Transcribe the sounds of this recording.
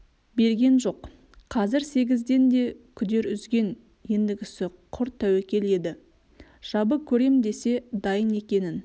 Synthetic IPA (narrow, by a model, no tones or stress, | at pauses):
be̞ɾɡʲe̞nʒo̞q | qʰɑzɪɾse̞ɡʲɪzd̪e̞nd̪e̞kʲʰʏd̪e̞ɾʏzɡʲe̞n | je̞nd̪ɪɡʲɪsɪqʰʊɾt̪ʰːæwekʲe̞le̞d̪ɪ | ʒ̥ɑbəkʲʰɵɾe̞md̪e̞se̞d̪ɑjəne̞kʲe̞nɪn